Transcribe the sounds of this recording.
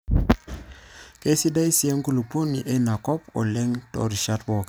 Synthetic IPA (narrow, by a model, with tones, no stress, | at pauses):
ke˦si˦da˦jsi˨ɛ˦ŋku˦lu˨po˦ni˨ʔe˦na˨kɔ˦pɔ̰˨lɛ˦ŋtɔ̰˨ɾi˨ʃat̚bɔ˨k